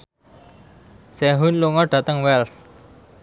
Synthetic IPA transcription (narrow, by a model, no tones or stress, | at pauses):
sɛɦunluŋɔɖ̥ä̤t̪əŋwɛls